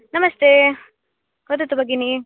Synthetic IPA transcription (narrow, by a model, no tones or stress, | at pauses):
nɐmɐst̪eː | hod̪ɐt̪ːubɐɡini